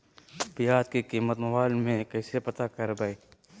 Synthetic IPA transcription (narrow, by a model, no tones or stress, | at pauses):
bijaːd̪̚kikiːmət̪mɐʋaːlmẽkɛːsepɐt̪akəɾbɐi